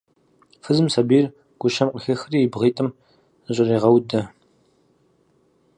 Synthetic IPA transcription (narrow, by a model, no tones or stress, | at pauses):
fɨzɨmsɐbiːr | ɡ̥ʷʊʃɐmqəxɐxriːbʁiːtʼɨm | ɕʼɪriːʁɐwdɐ